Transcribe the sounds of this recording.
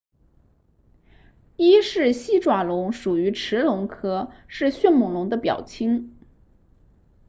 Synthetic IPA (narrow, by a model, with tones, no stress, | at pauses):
i˥ʂɻ̩˥˩ɕi˥ʈ͡ʂwa˨˩lʊ˧˥ŋʂu˨˩y˧˥ʈ͡ʂʰɻ̩˧˥lʊ˧˥ŋkʰɤ˥ʂɻ̩˥˧ɕɥɛ˥˩nmʊ˧˥ŋlʊ˧˥ŋd̪ə˧pjɑ̰˨˩ʊt͡ɕʰi˥ŋ